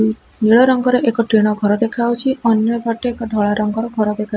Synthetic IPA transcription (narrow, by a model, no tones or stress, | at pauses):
niɭɔɾɔŋɡɔɾeʔekɔʈɾeɽ̃ɔɡʱɔɾɔd̪ekʰawt͡ʃʰiʔɔnjɔbʱɔʈeekɔd̪ʱɔɭaɾɔŋɡɔɾɔɡʱɔɾɔd̪ekʰa